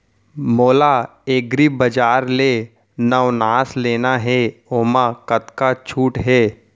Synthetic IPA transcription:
moːla | eːɡɾibəd͡ʒaːɾle | nəʋnaːsleːnaɦɛoːmakət̪kat͡ʃʰuːʈɦɛː

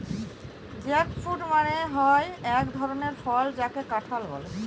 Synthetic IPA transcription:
d͡ʑɛkfuʈmaɽeɦɔeɛkd̪ʱɔɾoneɾfɔld͡ʑakekaʈʰalbɔ̰le

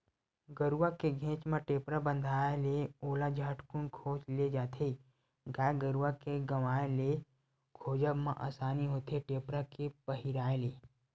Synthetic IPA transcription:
ɡəɾuakeɡʱẽːt͡ʃmãʈeːpɾabə̃nd̪ʱaːeleoːlad͡ʒʱaːʈkunkʰoːt͡ʃled͡ʒaːt̪ʰei | ɡaːɡəɾuʋakeɡəʋaːele | kʰoːd͡ʒəbmãʔa̰ːsaːniɦot̪ʰeʈeːpɾakepəɦiɾaːeleː

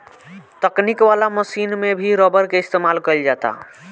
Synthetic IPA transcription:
t̪əknikʋalaməsinmebʱiɾɔbəɾkeɪst̪emalkəɪld͡ʒat̪a̰

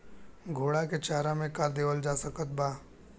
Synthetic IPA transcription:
ɡʱoːɽaket͡ʃaːɾamẽkaːɾd̪eːʋəld͡ʒaːsəkət̪̚baː

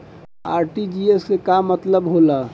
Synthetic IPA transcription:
a̰ːɾʈid͡ʒiesːekamːət̪ləbɦola

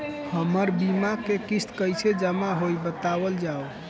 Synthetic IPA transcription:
həməɾbimakekist̪kəjt͡ʃʰed͡ʒəmaɦojbət̪abəld͡ʒao

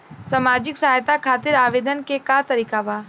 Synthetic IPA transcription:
saːmaːd͡ʒɪksɐɦaːjt̪akʰaːt̪ɪɾaːʋeːd̪ənkekat̪ɐɾiːkabaː

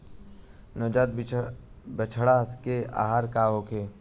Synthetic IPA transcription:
nɔːd͡ʒaːt̪̚ | bət͡ʃʰɽakea̰ːɦaːɾkaɦokʰe

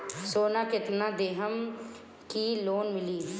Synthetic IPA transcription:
soːnaːkɪt̪naːd̪eːɦəm | kiːloːnmɪliː

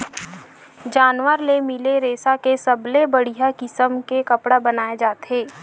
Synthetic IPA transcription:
d͡ʒaːnʋəɾlemɪleɾeːsakesɐblebɐɽ̤ijakɪsəmkekɐpɽabɐnaːed͡ʒaːt̪eː

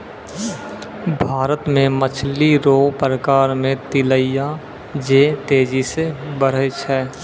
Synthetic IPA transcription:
bʱaːɾət̪mẽmət͡ʃʰliɾoːpɾəkaːɾmẽt̪ɪləija | d͡ʒeːt̪eːd͡ʒisebəɾ̤ət͡ʃʰɛː

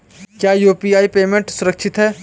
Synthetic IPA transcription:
kjaːjuːpiaːipeːmẽɳʈsʊɾəkʃʰɪt̪ɦɛː

